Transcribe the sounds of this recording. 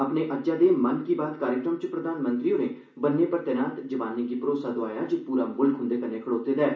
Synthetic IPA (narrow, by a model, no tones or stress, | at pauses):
əpneːʔəd͡ʒãːd̪eːmənkiːbaːt̪kaːɾjɪkɾəmt͡ʃpɾəd̪aːnmənt̪ɾiːʊnẽː | bənːeːpəɾt̪ɛːnaːt̪d͡ʒəʋaːneːɡiːpəɾoːsaːd̪oaːjaːd͡ʒopuːɾaːmʊlkʰɦʊ̃nd̪eːkənẽːkʰəɽoːt̪eːd̪ɛː